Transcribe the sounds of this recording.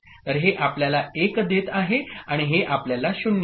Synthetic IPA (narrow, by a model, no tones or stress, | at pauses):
t̪əɾɦeʔapljalaekd̪et̪aɦeaɽ̃iɦeʔapljalaɕunː